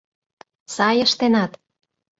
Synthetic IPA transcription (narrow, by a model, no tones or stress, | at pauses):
sɑjəʃt̪enɑt̪